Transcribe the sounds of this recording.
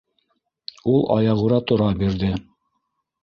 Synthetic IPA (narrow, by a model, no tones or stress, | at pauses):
ulˠʔɑ̰jɑʁuɾɑt̪ŏɾɑbiɾðɘ